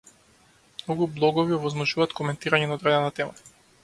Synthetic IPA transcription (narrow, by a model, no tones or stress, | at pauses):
mnɔɡublˠɔɡɔviɔvɔzmɔʒuvaːt̪kɔmɛnt̪iɾaɲɛnaɔd̪ɾɛd̪ɛnat̪ɛma